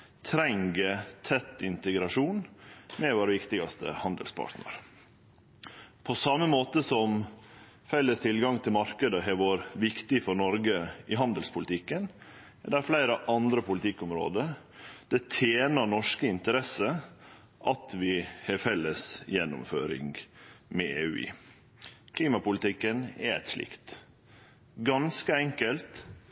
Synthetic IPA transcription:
t̪ʰɾɛŋɡət̪ʰɛt̪ːɪnt̪əɡɾɑʂuːnmɛʋoːɾʋɪkt̪ɪɡɑst̪ʰə̰hɑnd̪ə̰lspʰɑ̰ːʈ̪nə̰ɾ | pʰɔsɑmːəmoːt̪əsɔm | fɛlːəst̪ʰɪlɡɑŋt̪ʰɪlmɑɾkəd̪əɦɛʋoːɾʋɪkt̪ɪfɔɾɳɔɾɡəɪɦɑnd̪əlspʰʊlɪt̪ʰɪkːən | ɛd̪æɾflæɪɾəʔɑnd̪ɾəpʊlɪt̪ʰɪkːʊmɾo̰ːd̪ə | d̪̥ɛt̪ʰeːnəɾɳɔʂkəɪnt̪əɾɛsə | ʔɑt̪ʰʋɪhɛfɛlːəsjɛnːʊ̰mfø̰ːɾɪ̰ŋɡmɛḛːʉ̰ːɪ̰ | kʰliːmɑpʊlɪt̪ɪkːənɛ̰ɛ̰t̪ʂlɪ̰kt̪ | ɡɑnskəɛŋkəlt̪

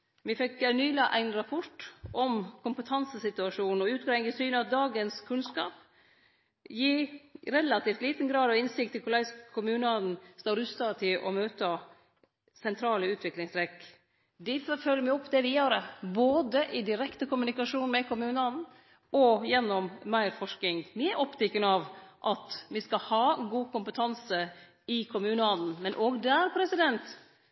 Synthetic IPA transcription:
mɪfɛkænyːlɑʔæɪnɾɑpʰɔʈʔɔmkʰʊmpət̪ʰɑnsəsɪt̪ʉɑʂuːnɔʉːt̪̚ɡɾæɪŋɡəsyːnəɑt̪̚d̪ɑːɡənskʰʉnskɑːp | jiːɾɛlɑt̪iːft̪liːt̪n̩ɡɾɑːd̪ɑʋɪnsɪkt̪ːɪlkʰʊlæɪskʰʊmʉːnɑn̩st̪ɑːɾʉst̪ɑt̪ʰɪlʔɔ̰møːt̪ə | sɛnt̪ʰɾɑːləʉːt̪ʰʋɪklɪŋsɾɛkː | d̪ɪffœlːəmɪɔpːd̪ɛʋɪjøːɾəboːd̪əʔɪd̪ɪɾɛkt̪əkʊmʉnɪkɑʂuːnmɛkʰʊmʉːnəɑd̪n̩ | ʔɔjɛnːɔmmæɪɾfɔʂknɪŋmɪæɾʔɔpt̪ʰɪkːənəɑʋʔɑt̪ʋɪskɑhɑːɡuːkʊmpət̪ʰɑnsə | ɪkʰʊmʉːnəɑd̪n̩mɛnʔoːɡd̪æːɾpʰɾɛsɪd̪ɛnt̪

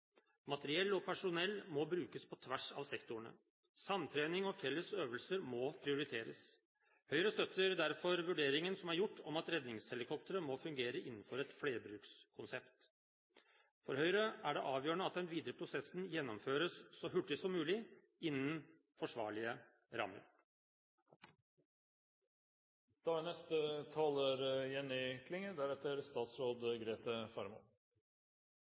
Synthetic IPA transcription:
mɑt̪əɾɪɛlːɔpʰæʂʊnɛlːmɔbɾʉːkəspʰɔt̪ʰʋæʂɑ̰ːʋsɛkt̪ʊɳə̰ | sɑnt̪ʰɾeːnɪŋɔfɛlːəsøːʋəlsəɾmɔpʰɾɪʊɾɪt̪ʰeːɾə̰s | hœʏɾəst̪œt̪ːəɾd̪æɾfɔɾʋʉɖeːɾɪŋənsɔmæɾjʊʈːɔmɑt̪ɾɛd̪nɪŋshɛlɪkʰɔp̚t̪əɾəmɔfʉŋɡeːɾəʔɪnːn̩fɔɾɛt̪fleːɾbɾʉːkskʰʊnsɛpt̪ | fɔɾhœʏɾəʔæɖɛʔɑːʋjøːɳəɑt̪̚d̪ɛnʋiːd̪ɾəpʰɾʊsɛsn̩jɛnːɔmføːɾəsːɔɦʉʈːɪsɔmːʉːlɪ | ɪnːən | fɔʂʋɑːɭɪə | ɾɑ̰mə̰ɾ | d̪̥ɑːnɛst̪ət̪ʰɑːləɾjɛnːɪkʰlɪŋəd̪æɾɛt̪əɾst̪ɑːt̪sɾoːd̪ɡɾeːt̪əfɑɾmṵ

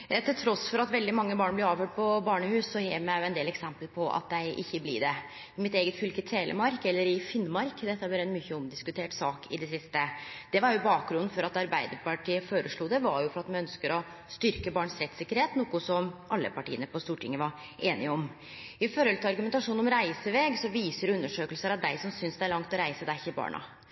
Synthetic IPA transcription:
ɑt̪ʰɪlt̪ʰɾɔsfɔɾɑt̪ʋɛld̪ɪmɑŋːəbɑːɳblɛɾɑːʋføːʈ̚pʰɔbɑːɳəhʉːsːɔheːʋmæjʊɛnd̪eːlɛksɛmpəlpʰɔʔɑ̰t̪̚d̪æɪʔɪ̰çːəblḭːɖ̪ɛ | ɪmɪt̪eːɡət̪fʏlkɪt̪ʰeːlʔə̰mɑɾkɛlːəɾɪfɪnːmɑɾkd̪ɛt̪ʰːɑbɛɾɛnmyçəɔmd̪ɪskʉt̪ʰeːʈsɑːkɪd̪ɛsɪst̪əd̪̥ɛʋɑɾjʊbɑːk̚ɡɾʉnːn̩fɔɾɑt̪ɑɾbæɪd̪əɾpɑʈiːəfoːɾəʂɭuːd̪ɛʋɑɾjʊfɔɾɑt̪mɛnœnskəɾɔ | st̪ʏɾkəbɑːɳsɾɛt̪sɪkːəɾheːt̪nuːkʊsɔmʔɑlːə̰pɑʈʰḭːənəpɔst̪uːʈʰɪŋːəʋɑɾ | eːnɪəɔm | ɪføɾɛlt̪əɑɾɡʉmɛnt̪ɑʂuːnɔmɾæɪsəʋeːɡsɔʋiːsəɾʉnːəʂøːkəlsəɾɑd̪æɪsɔmsʏnsd̪ɛæɭɑŋt̪ɔɾæɪsəd̪æçɪbɑ̰ːɳʔɑ̰

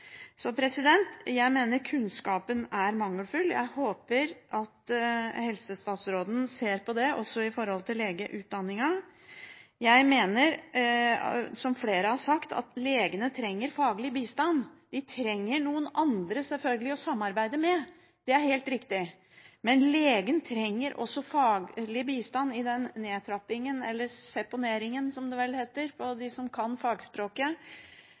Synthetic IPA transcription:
sɔpʰɾɛsɪd̪ɛnt̪jæɪmeːnəɾkʰʉnskɑːpənæɾmɑŋːəlfʉljæ̰ɪhoːpəɾʔɑt̪hɛlsəst̪ɑːt̪sɾoːd̪n̩seːɾpʰɔd̪ɛɔsɔɪfɔɾhɔlt̪ʰɪleːɡəʔʉːt̪̚d̪ɑnːɪŋɑ | jæɪmeːnəɾ | sɔmfleːɾəhɑʂɑkt̪ʰɑ̰t̪leːɡənət̪ʰɾɛŋːəɾfɑːɡəlɪbiːst̪ɑnd̪̥ɪt̪ʰɾɛŋːəɳuːənɑnd̪ɾəsɛlfœlɡəlɪɔsɑmːɑɾbæɪd̪əmɛ | d̪̥ɛæɾhelt̪ɾɪkt̪ɪ | mɛnleːɡənt̪ʰɾɛŋːəɾʔɔ̰sːɔfɑːɡlɪbiːst̪ɑnːɪd̪ɛnːeːt̪ʰɾɑpɪŋənɛlːəɾsɛpʊneːɾɪŋənsɔmd̪ɛʋɛlheːt̪əɾpʰɔd̪ɪsɔmkʰɑnfɑːɡspɾoːkə

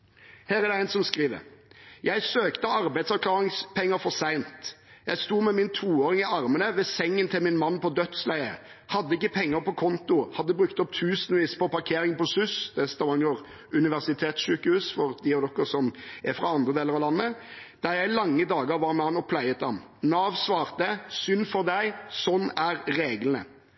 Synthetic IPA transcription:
hæːɾæd̪ɛæɪnsɔmskɾiːʋə̰ɾjæɪsøːkt̪əɑɾbæɪd̪sɑklɑːʁɪŋspʰɛŋːəɾfɔɾsæɪnt̪jæɪst̪uːmɛmɪnt̪ʰuːoːɾɪŋɪɑɾmənəʋɛsɛŋːənt̪ʰɪlmɪnmɑnːpɔd̪œt̪slæɪə̰ | hɑd̪ːəɪkːəpʰɛŋːəɾpʰɔkʰɔnt̪ʊhɑd̪ːəbɾʉkt̪ɔpt̪ʰʉːsənʋiːspʰɔpɑʁkʰeːɾɪŋpɔsʉsd̪ɛst̪ɑɑŋəʁ | ʉnɪʋæʁsɪt̪ʰeːt̪sʃʉːkəhʉːsfɔɾd̪ɪɔd̪ɔkːəɾsɔmæfɾɑɑnd̪ʁəd̪eːləɾɑʋlɑnːəd̪̥ɑɾjæɪlɑŋːəd̪ɑːɡəɾʋɑɾmɛɑnɔpʰlæɪət̪ɑm | nɑːʋsʋɑːʁt̪əsʏnfɔɾd̪æɪsɔnːæɾɾeːɡlənə̰

